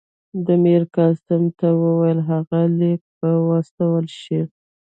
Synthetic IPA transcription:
d̪əmeɾkɑst̪əmt̪awəwajəlɦaɣalek̚pəwɑst̪awəlʃi

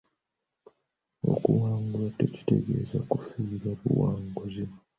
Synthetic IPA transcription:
o̞̰kuwaːŋɡulate̞ci̥te̞̰ɡe̞zakufiɾaβuwaːŋɡozim

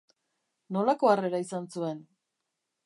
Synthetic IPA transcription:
no̞lako̞are̞ɾaisansue̞n

